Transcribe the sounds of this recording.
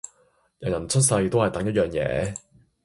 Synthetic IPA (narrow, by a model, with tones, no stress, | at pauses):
jɐ˨˩wjɐ˨˩nt͡ʃʰɵ˥t̚sɐ˧jt̪o˥whɐ˨jt̪ɐ˨˥ŋjɐ˥t̚jœː˨ŋjɛ̰ː˨˥